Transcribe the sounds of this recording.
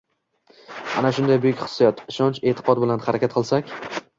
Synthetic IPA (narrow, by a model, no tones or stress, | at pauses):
a̰naʃʊnd̪ajbʊjʊkʲχɨ̥sːijɒt̪ʰɪʃɒnt͡ʃe̞t̪ʰɪ̥qʰɒd̪̚bɪlanhaɾakʲat̪̚qʰɨlˠsakʲ